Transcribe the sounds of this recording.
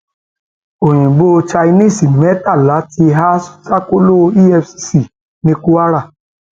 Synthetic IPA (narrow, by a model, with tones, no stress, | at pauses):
o˨j̃ĩ˨ɡ͡bo˦˧t͡ʃa˧i˧nĩ˦˨si˨mɛ˨˦ta˦˨la˨˦ti˧ɦa˦ssa˦ko˦lo˦i˦ɛ˧fsi˧si˦˨ | nĩ˦ku˦a˦ɾa˦˨